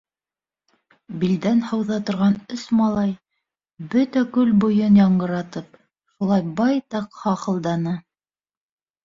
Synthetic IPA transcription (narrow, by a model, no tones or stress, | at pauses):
bild̪ænhɑwðɑt̪ŏɾʁɑnɵsmɑlˠɑj | bɵt̪ækɵlbŏjɤnjɑɴɢɤ̆ɾɑt̪ɤp | ʃulˠɑjbɑjt̪ɑqhɑqɤ̆lˠd̪ɑnɤ